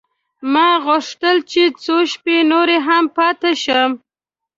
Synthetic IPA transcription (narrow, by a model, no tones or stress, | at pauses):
mɑɣʊʂt̪əlt͡ʃet͡soʃpenoɾeɦampɑt̪eʃəm